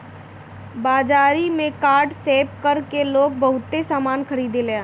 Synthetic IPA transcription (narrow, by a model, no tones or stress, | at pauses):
baːd͡ʒaːɾimẽkaːɾɖseːpkɐɾkeloːɡ̚bɐɦʊt̪ːesaːmaːnkɐɾiːd̪eleãː